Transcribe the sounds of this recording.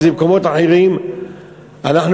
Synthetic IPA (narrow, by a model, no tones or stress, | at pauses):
zemkomo̞t̪aħeʁim | ʔanaħn